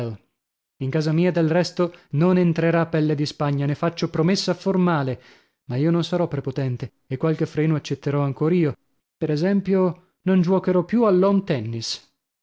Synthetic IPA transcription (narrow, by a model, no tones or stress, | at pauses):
l | iŋkaːzamiːad̪elrɛst̪ononent̪ɾeɾapːɛlːed̪ispaɲːanefat͡ʃːopɾomesːaformaːle | maiːononsaɾɔpːɾepot̪ɛnt̪e | ekːwalk̟efɾeːnoat͡ʃːet̪ːeɾɔaŋkoːɾaiːo | peɾɛzɛmpjo | nond͡ʒuwɔkeɾɔpjualːɔmt̪ɛnːis